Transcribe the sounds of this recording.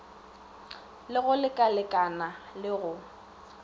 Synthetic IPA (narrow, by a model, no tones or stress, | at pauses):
lɪɣʊlɪkʼalɪkʼanalɪɣʊ